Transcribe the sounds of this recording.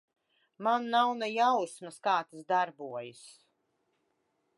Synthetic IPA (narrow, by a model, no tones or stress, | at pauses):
manːawnɛjawsmaskaːt̪asd̪aɾbuɔjɨs